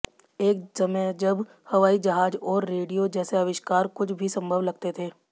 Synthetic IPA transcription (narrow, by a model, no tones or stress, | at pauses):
eːksɐməd͡ʒɐb | hɐʋaːid͡ʒɐɦaːd͡ʒɔːɾːeːɖijod͡ʒɛːseɐʋɪʃkaːɾkʊt͡ʃʰbʱisɐ̃mbʱəʋlɐɡ̚t̪et̪ʰeː